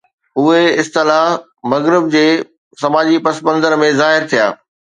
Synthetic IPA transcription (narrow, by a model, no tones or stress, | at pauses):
ɦʊeɪst̪ɪlaːɦ | mɐɣɾɪb̚d͡ʑeː | sɐmaːd͡ʑipɐsbə̃nzəɾmẽzaːɦɪɾt̪ʰija̰ː